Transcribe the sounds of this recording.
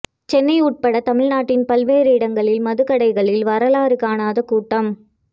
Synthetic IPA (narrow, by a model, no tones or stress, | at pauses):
t͡ʃɛnːɐɪuːʈ̚pɐɽɐt̪ɐmɪɻnaːʈːɪnpɐlʋeːɾɯɪɽɐŋɡɐɭɪlmɐðɯkɐɽɐɪɣɐɭɪlʋɐɾɐlaːɾɯkːaːnaːðɐkuːʈːɐm